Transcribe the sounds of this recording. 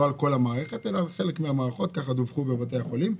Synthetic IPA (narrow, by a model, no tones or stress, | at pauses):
oalko̞lamaːʁeχet̪elaːlχe̞lekmeamaːʁaχo̞t̪̚kaχad̪ovχubebat̪̬ejaχo̞lim